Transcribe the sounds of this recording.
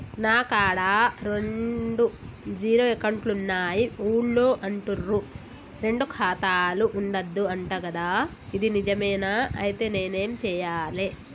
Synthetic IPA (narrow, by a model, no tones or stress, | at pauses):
naːkaːɽaːɾe̞ɳɖud͡ʒiːɾoːekɐɳʈlunːaːjiuːɭloːʔɐɳʈurːu | ɾe̞ɳɖukʰaːt̪aːluʔːɳɖɐd̪ːuɐɳʈɐːkɐd̪aː | id̪inid͡ʒɐmɐjnaːɐjit̪e̞ːne̞ːne̞ːmt͡ʃɛːjaːle